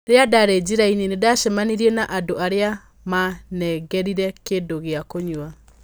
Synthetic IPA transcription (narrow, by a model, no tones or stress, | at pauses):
ɾeadaɾed͡ʑiɾaininedaʃɛmaniɾiɛnaʔadoaɾea | manɛɡɛɾiɾɛkeːndoɣeakoɲua